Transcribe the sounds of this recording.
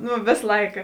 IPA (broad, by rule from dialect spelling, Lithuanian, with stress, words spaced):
ˈnʊ ˈʋʲeːs ˈlˠɐɪkɐ